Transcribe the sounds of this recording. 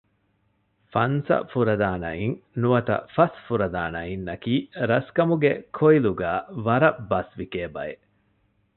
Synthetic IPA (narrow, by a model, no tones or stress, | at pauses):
fɐnsɐ̰fuɾɐd̪aːnɐ̰iŋnuɐt̪ɐ̰fɐsfuɾɐd̪aːnɐinːɐkiːɾɐskɐmuɡekʰoiluɡaːʋɐɾɐbːɐsʋikeːbɐ̰e